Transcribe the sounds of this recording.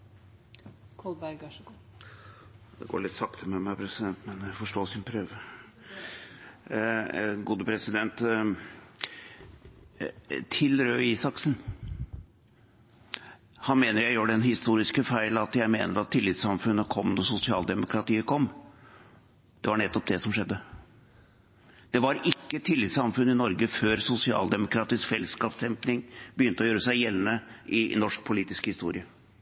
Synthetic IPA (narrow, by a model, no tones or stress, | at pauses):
kʰɔlbæɾɡ | d̪ɛ̰ɡo̰ːɭɪt̪ːsɑkt̪əmɛmæɪpʰɾɛsɪd̪ɛnt̪mɛnjæfɔʂʈoːsɪnpʰɾøːʋə | ɡuːd̪əpʰɾɛsɪd̪ɛnt̪ | t̪ʰɪlɾøːiːsɑksn̩ | hɑnmeːnəɾjæɪjøːɖɛnhɪst̪uːɾɪskəfæɪlɑt̪jæɪmeːnəɾɑt̪ʰːɪlːɪt̪sɑmfʉnːəkʰɔmːnuːsʊsɪɑːld̪ɛmʊkʰɾɑt̪iːəkʰɔmː | d̪̥ɛʋɑɳɛt̪ːɔp̚d̪ɛsɔmʂɛd̪ːə | d̪̥ɛʋɑɾɪkːət̪ʰɪlːɪt̪sɑmfʉnːɪnɔɾɡəføːɾsʊsɪɑ̰ːld̪ɛmʊkʰɾɑːt̪ɪskfɛlːskɑpsɛmpnɪŋb̥əjʏnt̪əɔjøːɾəsæɪjɛlnəʔɪnɔʂk̚pʰʊliːt̪ɪskhɪst̪ṵːɾɪə